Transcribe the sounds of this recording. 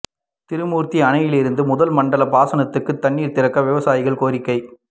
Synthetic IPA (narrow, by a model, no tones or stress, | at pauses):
t̪ɪɾɯmuːɾt̪iɐnɐjɪlɪɾɯnd̪ɯmʊðɐlmɐɳɖɐlɐbaːsɐnɐt̪ːɯkːɯt̪ːɐɳːiːɾt̪ɪɾɐkːɐʋɪʋɐsaːjɪɣɐɭkoːɾɪkːɐɪ